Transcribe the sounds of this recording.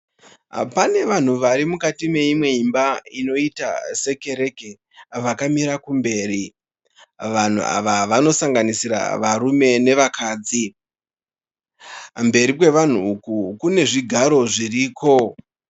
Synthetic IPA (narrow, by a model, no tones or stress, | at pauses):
a̰pane̞ʋan̤uʋaɾimukatime̞imwe̞imbaino̞ita̰se̞ke̞ɾe̞ke̞ | ʋakamiɾakumbe̞ːɾi | ʋan̤ṵa̰ʋaʋano̞saŋɡanisiɾa̰ʋaɾume̞ne̞ʋakʰaːd͡zi | mbe̞ɾik̬we̞ʋan̤uːkukune̞ʐiɡʱaɾo̞ʐiriːko̞